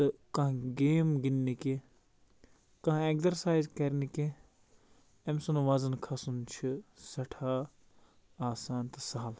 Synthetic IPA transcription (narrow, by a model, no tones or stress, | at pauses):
t̪ɨkɐ̃ɡeːmɡinːike | kɐ̃ɦekzɐɾsaːjzkɐɾnike | emsunuʋazɐnkʰɐsunt͡ʃʰisɐʈʰaː | aːsaːnt̪ɐsaːl